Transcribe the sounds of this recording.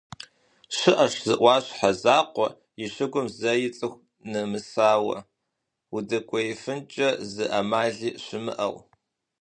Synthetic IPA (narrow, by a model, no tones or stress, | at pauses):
ʃʷɪʔɐʂzɨʔʷɑːɕħazaːqʷɔ | ɪɕʷɨɡʷʊmzɐjɪt͡sʼɨxʷ | nɨmɨsaːwɐ̰ | udɐkʷʼɔjifɨnt͡ʃʼɐzɨʔɐmaːɮiːɕʷɪmɨ̰ʔɐ̰w